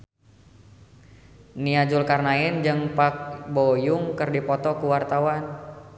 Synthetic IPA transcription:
niad͡ʒʊlkarnaɪnd͡ʒɨŋpak̚bojʊŋkɨrdipɔt̪ɔkuwart̪awan

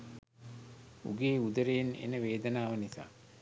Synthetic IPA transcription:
ṵɡeːud̪əɾejnḛnəʋeːd̪ənaːʋənisa̰ː

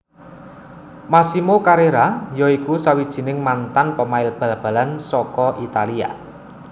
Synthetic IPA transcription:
masimokaɾeɾajɔikusawid̥ʒ̥i̤nɪŋmant̪anpəmaɪlb̥a̤lb̥ä̤lansɔkɔʔit̪alia̰

